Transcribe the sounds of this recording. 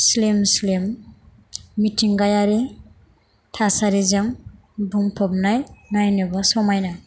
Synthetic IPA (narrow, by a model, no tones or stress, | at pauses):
slemslemː | itʰiŋɡajaɾi | tʰasaɾizam | bumpʰɔb̚najnajnubasɔmajna